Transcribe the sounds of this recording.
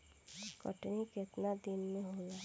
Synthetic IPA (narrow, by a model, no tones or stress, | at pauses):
kə̰ʈnikɪt̪nad̪ɪnmẽɦola